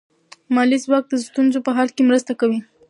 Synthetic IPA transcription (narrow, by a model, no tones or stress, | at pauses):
mɑlizwɑk̚d̪əst̪unzopəɦɑlkemɾəst̪akawi